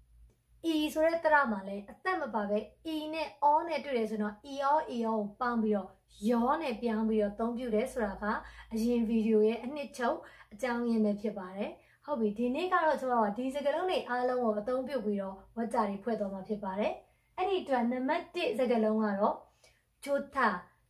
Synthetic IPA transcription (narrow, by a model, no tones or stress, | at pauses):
ʔisoɾɛt̪əɾa̰malɛʔət̪ɛʔməpaɡɛʔinɛ̰ʔɔnɛ̰twḛɾɛs̬ʰoɪ̃nɔʔiʔɔʔiʔɔopãʊ̃mpiɾɔ | jɔnɛ̰pjãʊ̃mpiɾɔʔət̪õʊ̃pjṵɾɛsoɹaɡa̰ʔəjɪ̃viɾijojɛʔən̥ɪʔt͡ɕʰoʊʔʔət͡ɕãʊ̃jɛ̃mbɛpʰjɪpːaɾɛ | hoʊpːidinḛɡa̰ɹɔt͡ɕəmaoadizəɡəlõʊ̃neʔalõʊ̃ŋɡoʔət̪õʊ̃mpjṵpiɾɔwɛʔt͡ɕaɾepʰwɛ̰t̪wamapʰjɪpːaɾɛ | ʔɛɾiʔətwɛnãmbatːɪʔzəɡəlõʊ̃ŋa̰ɾɔ | d͡ʑot̪ʰa